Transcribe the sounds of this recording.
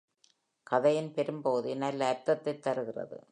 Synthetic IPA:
kɐðɐjɪnpɛɾɯmpoːðɯnɐlːɐːɾt̪ːɐt̪ːɐɪt̪ːɐɾɯɣɪrɐ̰ðɯ̰

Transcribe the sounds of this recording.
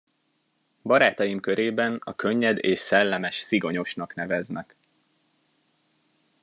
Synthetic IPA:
bɒɾaːt̪ɒjimkøɾeːbɛnɒkʰø̞ɲːɛd̪eːʃsɛlːɛmɛʃsiɡo̞ɲo̞ʃnɒkn̪ɛvɛznɛ̰k

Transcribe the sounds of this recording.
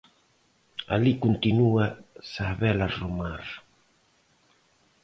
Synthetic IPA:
a̰likunt̪inuɐsaβɛlaromaɾ

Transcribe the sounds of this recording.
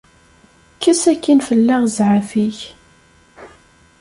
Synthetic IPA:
kːæsækːinfəlːaʁzʕafiç

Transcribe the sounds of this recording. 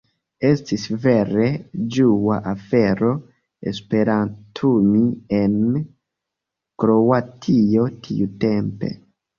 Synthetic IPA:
est̪isvered͡ʒuwaʔafeɾo | ḛspeɾant̪ʰumien | kɾowat̪ʰiot̪ʰḭut̪empḛ

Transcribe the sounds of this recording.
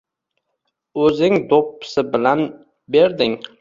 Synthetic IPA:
ɵzɪŋd̪opːɪ̥sɪbɪlan | be̞ɾd̪ɪŋ

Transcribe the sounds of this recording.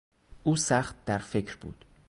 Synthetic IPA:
ʔuːsæχt̪̚d̪æɾfe̞cʰɾbṵːd̪̥

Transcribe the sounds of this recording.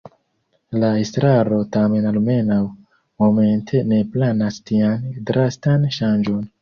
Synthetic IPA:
laestɾaɾo̞tame̞nalme̞naw | mo̞me̞ntʰe̞ne̞planastiandɾastanʃand͡ʒo̞n

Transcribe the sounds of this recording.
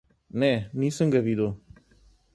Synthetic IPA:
nenĩːsə̃ŋɡəʋiːd̪oː

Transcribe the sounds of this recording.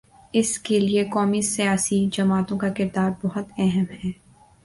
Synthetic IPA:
ɪskeliekɔːmisijaːsid͡ʒɐmaːt̪õkakɪɾd̪aːɾbɔɦʊt̪ɛɦɛmɦɛː

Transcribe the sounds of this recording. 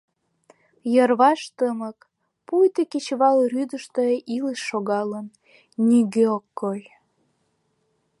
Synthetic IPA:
jərβɑʃt̪əmək | pujt̪eket͡ɕβɑlryd̪əʃt̪əʔiləʃːoɣɑlən | niɣeokːoj

